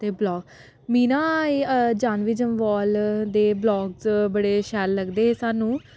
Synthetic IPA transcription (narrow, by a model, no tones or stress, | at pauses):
t̪eːblɔːɡ | miːnaːd͡ʒaːnʋɪːd͡ʒəmʋɔːld̪eːblɔːɡzbəɽeːʃɛːlːəɡd̪eːɦːsaːnũː